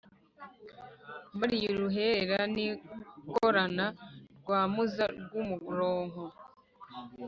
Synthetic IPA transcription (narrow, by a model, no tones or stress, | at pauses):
baɾijoɾuɦe̞ɾeɾanikoɾanaɾɡwaːmuzaɾɡumuɡuɾoːŋho